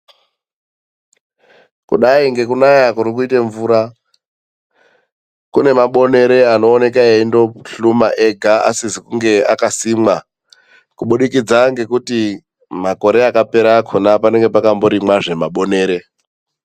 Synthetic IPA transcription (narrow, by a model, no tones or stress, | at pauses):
kṵɗaiŋɡe̞kunajakuɾik̬uiteɱvuːɾa | kune̞maɓo̞ne̞ɾe̞ano̞ːne̞kaeindo̞ɬumaʔeɡʱaa̰sizikuŋɡe̞akasimwa | kuɓuɗikid͡zaŋɡe̞kuti | mako̞ɾe̞akape̞ɾakʰonapane̞ŋɡe̞pakambo̞ɾimwaʐe̞maɓo̞ne̞ːɾe̞